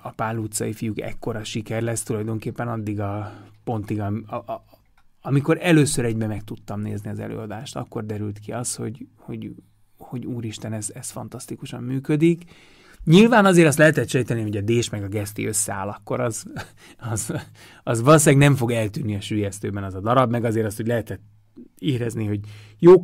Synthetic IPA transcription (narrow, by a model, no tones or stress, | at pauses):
ɒpaːlut̪sɒ̰ifijukɛ̰kːo̞ɾɒʃikɛrlɛst̪ulɒjd̪o̞ŋkeːpːɛnɒd̪ːiɡɒpo̞nt̪iɡɒm | ɒmiko̞ɾɛløːsøɾɛɟbɛmɛk̚t̪ut̪ːɒmnḛːzniɒzɛ̰lø̰ːɒd̪aːʃt̪ɒ̰kːo̞rd̪ɛɾylt̪kiɒsho̞̰ɟho̞ɟ | ho̞ɟuːɾiʃt̪ɛnɛzɛsfɒ̰nt̪ɒst̪ikuʃɒ̰mːyːkød̪ik | ɲilvaːnɒzeːɾɒst̪lɛɦɛt̪ɛt̪ʃɛjt̪ɛniɦo̞ɟɒd̪eːʃmɛɡɒɡɛst̪ḭø̞sːɛa̰ːlɒkːo̞ɾɒz | ɒz | ɒzʋɒlos̬aːɡnɛɱfo̞ɡɛlt̪yːnːiɒʃyːjɛst̪øːbɛnɒzɒd̪ɒɾɒbmɛɡɒzeːɾɒst̪hoɟʲlɛɦɛt̪ɛt̪ː | iːɾɛzniɦo̞ɟ | joː